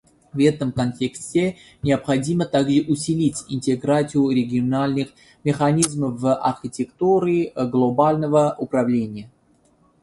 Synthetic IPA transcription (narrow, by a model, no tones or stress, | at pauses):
vɛt̪əmkɐnʲtʲeksʲtʲɪ | nʲɪəpxɐdʲimət̪aɡʐɨʔʊsʲɪlʲitʲɪnʲtʲɪɡɾat͡s̪ʲɨjʊɾʲɪɡʲɪonalʲnɨx | mʲɪxɐnʲizməvɐ̰rxʲɪtʲɪkt̪uɾʲɪɡlˠobalʲnəvəʔʊpɾɐvlʲenʲɪjə